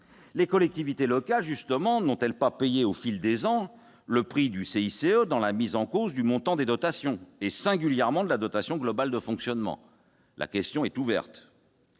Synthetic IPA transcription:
lekɔlɛk̚t̪ivit̪elɔkalʒyst̪əmɑ̃nɔ̃t̪ɛlpapejeofild̪ezɑ̃ | ləpχid̪yseiseød̪ɑ̃lamizɑ̃kozd̪ymɔ̃t̪ɑ̃d̪ed̪ɔt̪asjɔ̃esɛ̃ɡʲyljɛʁmɑ̃d̪əlad̪ɔt̪asjɔ̃ɡlɔbald̪əfɔ̃ksjɔnmɑ̰̃ | lʔa̰kʲɛst̪jɔ̃ɛt̪uvɛ̰ʁt̪

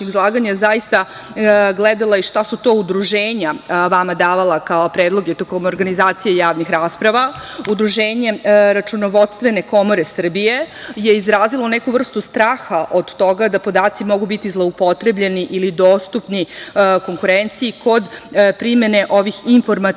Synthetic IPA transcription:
izlˠaːɡaɲazajist̪a | ɡled̪alˠaiʃt̪asut̪o̞ːud̪ɾuʒeːɲaʋamad̪aːʋalˠakaopɾeːd̪lˠo̞ɡet̪okomooːɾɡanizaːt̪sijejaːʋnixɾaːspɾaʋaud̪ɾuʒeːɲe̞ɾat͡ʃunoʋot̪st̪ʋe̞ne̞ko̞mo̞ɾe̞sr̩bije̞je̞izɾaːzilˠo̞nɛkuvr̩st̪ust̪ɾaːxaʔo̞d̪t̪o̞ɡad̪apo̞d̪aːt̪simo̞ɡubit̪izlˠoupo̞t̪ɾe̞bʎeniʔilid̪oːst̪upniko̞ŋkuɾent̪siːkʰo̞d̪pɾime̞ne̞ʔo̞ʋixiɱfo̞ɾma

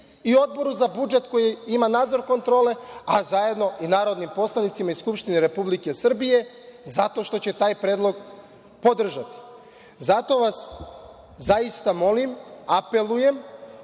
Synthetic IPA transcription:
io̞d̪̚bo̞ɾuzabud͡ʒe̞t̪ko̞jiimanaːd̪zo̞ɾkont̪ɾo̞ːle̞azaje̞d̪no̞ʔinaːɾo̞d̪nimpo̞slˠanit̪simaiskupʃt̪ineɾe̞publike̞sr̩bije̞ | zat̪o̞ʃt̪o̞t͡ɕe̞t̪aːjpɾe̞ːd̪lˠo̞ɡ | po̞d̪r̩ʒat̪i̥ | zat̪o̞ʋas | zajist̪amo̞limape̞luje̞m

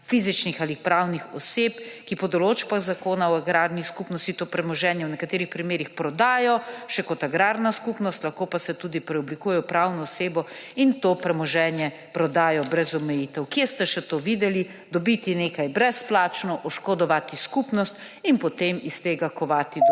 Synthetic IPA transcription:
fizit͡ʃnixalipɾawnixɔsepkipɔd̪ɔloːt͡ʃpaɣzakoːnaɔaɡɾaːɾniskupnɔst̪it̪oːpɾɛmɔʒɛːnjɛwnɛkat̪eːɾixpɾimeːɾixpɾɔd̪aːjɔʃɛkɔt̪aɡɾaːɾnaskupnɔst̪laxkoːpasɛt̪ud̪ipɾɛɔblikujɛjɔpɾawnɔːseːbɔint̪opɾɛmɔʒɛːnjɛ | pɾɔd̪aːjɔbɾɛzɔmɛjit̪ɛwkjest̪ɛʃɛt̪oʋid̪ɛli | d̪ɔbit̪ineːkajbɾɛsplaːt͡ʃnɔʔɔʃkɔd̪ɔʋat̪iskupnɔst̪ | inpɔt̪emist̪eːɡakɔʋaːt̪i

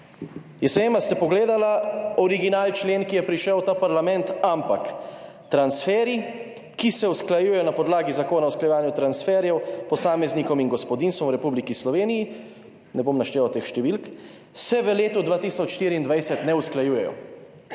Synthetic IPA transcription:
jɛsʋeːmast̪ɛpɔɡleːd̪alaɔɾiɡinaːlt͡ʃleːnkijɛpɾiʃɛwt̪aːpaɾlamɛ̃nt̪ampak | t̪ɾansfɛːɾi | kisɛusklajuːjɛjɔnapɔd̪laːɡizakoːnausklajɛʋaːnjut̪ɾansfɛɾjɛwpɔsaːmɛznikɔminɡɔspɔd̪inst̪ʋɔmwɾɛpublikislɔʋeːniji | nɛbomnaʃt̪eːʋawt̪eːxʃt̪ɛʋilk | sɛʋəleːt̪ud̪ʋaːt̪isɔt͡ʃʃt̪iːɾiːnd̪ʋajsɛt̪nɛusklajuːjɛjɔ̰

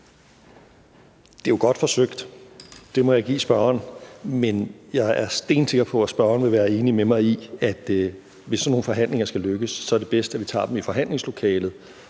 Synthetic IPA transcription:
d̥e̝joɡ̥ɒ̽d̥fɒ̽søɡ̥d̥d̥e̝mɒ̽jɑ̈ɪɡ̥ḭːsb̥ɶɐɐnmenjɑ̈ɪʔæɐsd̥e̝̰ːn̥se̝ɡ̥ɐpʰɒ̽æsb̥ɶɐɐnʋe̝ʋæːɐe̝ːnimemɑ̈ɪiæd̥ | ʋe̝sːɒno̝ːn̩fɒ̽ɦæn̰le̝ŋɐsɡ̥æløɡ̥əsːɒ̽æɐd̥e̝b̥esd̥æʋit͡sʰɑ̰̈ːd̥emifɒ̽ɦæn̰le̝ŋslo̝kʰɛːlð̩ˠ

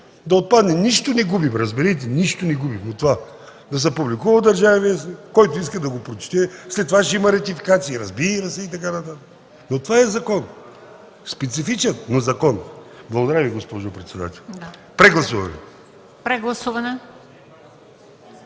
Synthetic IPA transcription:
d̪ɐot̪̚pad̪nɛniʃt̪onɛɡubimɾɐzbɛɾɛt̪̬ɛniʃt̪onɛɡubifnot̪ova | d̪ɐs̬ɛpublikuvɐd̪ɐɾʒavɐviskɔjt̪oiskəd̪ɐɡopɾot͡ʃɛ̥t̪ɛslɛt̪ːovaʃimɐɾɐt̪ifikat̪siiɾɐzbiɾɐsɛit̪ɐkanɐt̪at̪ək | not̪ovaɛzɐkɔn | spɛt̪sifit͡ʃɛnnɐzɐkɔnblˠɐɡod̪ɐɾaviɡospɔʒopɾɛt̪sɛd̪a̰t̪ɛlˠ | pɾɛɡlˠɐsuvɐnɛ̰ | pɾɛɡlˠɐsuvɐnɛ

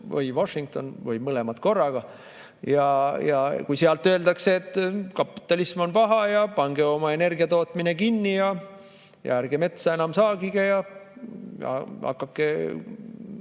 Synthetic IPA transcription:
vɤ̰jvoʂiŋk̚t̪o̞̰nvɯjmɯle̞mɑt̪ko̞rːɑɡ̥ɑ | jɑjɑkujseɑlt̪ˑːø̞eld̪ɑkseːt̪ːˑkɑpːi̥t̪ːˑɑlismo̞npɑɦɑjɑpɑŋɡ̥e̞o̞mɑe̞ne̞rɡiɑt̪o̞ːt̪ˑmine̞kinːijɑ | jɑ̰æɾɡ̥eme̞t̪sɑe̞nɑmsɑːɡiɡ̥ejɑ | jɑ̰hɑ̰kːɑkːe

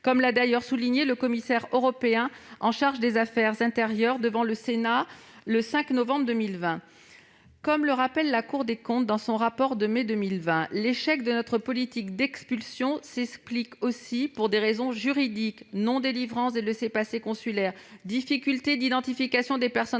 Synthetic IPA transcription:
kɔmlad̪ajœʁsuliɲeləkɔmisɛʁøʁɔpeɛ̃ɑ̃ʃaʁʒd̪ezafɛʁzɛ̃t̪eʁjœʁd̪əvɑ̃ləsenaləsɛ̃knovɑ̃bʁd̪ømilvɛ̃ | kɔmləʁapɛlːakuʁd̪ekɔ̃t̪̚d̪ɑ̃sɔ̃ʁapɔʁd̪əmed̪ømilvɛ̃leʃɛkd̪ənɔt̪χəpɔlit̪ikd̪ɛkspylsjɔ̃sɛsplikosipuʁd̪eʁezɔ̃ʒyʁid̪iknɔ̃d̪elivʁɑ̃seləsepasekɔ̃sylɛʁd̪ifikʲylt̪ed̪id̪ɑ̃t̪ifikasjɔ̃d̪epɛʁsɔ

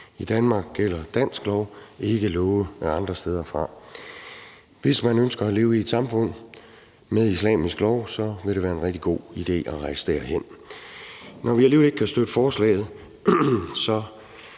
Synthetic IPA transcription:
id̥ænmɑ̈ːɡ̥̚ɡ̥el̰ɐd̥æn̰sɡ̥lɒʊe̝ɡ̥əlɔʊəɑ̈nd̥ʁɐsd̥eð̞ˠɐfʁɑ̈ | ʋe̝smænønsɡ̥ɐæle̝ːʊied̥sɑ̈mfɔ̽n̰ | meðˠislɛ̰ːmisɡ̥lɒʊ̰sɒ̽ʋe̝ɾ̥eʋæːɐe̝nʁɛɡ̥d̥iɡ̥o̝̰ːid̥e̝̰ːɒʁɑ̈ɪsə̥d̥æɐ̰hen̰ | nʔɒʋiæɐliːʋle̝ɡ̥̚kʰæsd̥ød̥əfɒːslɛ̰ɪð̞̩ˠ | sɒ̽

